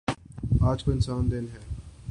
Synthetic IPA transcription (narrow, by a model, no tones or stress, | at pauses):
aːd͡ʒkoɪnsaːnd̪ɪnɦɛː